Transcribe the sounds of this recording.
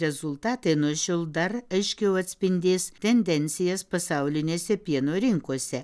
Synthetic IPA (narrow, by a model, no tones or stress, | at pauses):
ɾʲɛzʊlˠt̪ɑːt̪ɐɪnuɔʃʲɛlˠd̪ɐrɐɪʃʲkʲɛʊɐt̪ʲsʲpʲɪnʲd̪ʲeːst̪ʲɛnʲd̪ʲɛnʲt̪sʲɪjɛspɐsɑʊlʲɪnʲeːsʲɛpʲiɛnoːɾʲɪŋkuɔsʲɛ